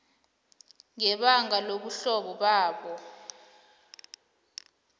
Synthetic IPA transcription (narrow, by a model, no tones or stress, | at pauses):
ŋɛɓaŋaloɓuɬɔɓɔɓaːɓɔ